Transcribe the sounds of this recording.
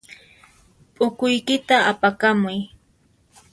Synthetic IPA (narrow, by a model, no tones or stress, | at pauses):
pʼʊkʊjkɪt̪aːpakamʊj